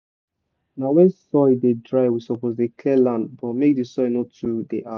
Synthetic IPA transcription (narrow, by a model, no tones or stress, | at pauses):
naʊwɛ̃nsɔɪdedɹaɪwisɔpozdekʰlɛlãndbɔtmek̚disɔɪnotʰudeʔa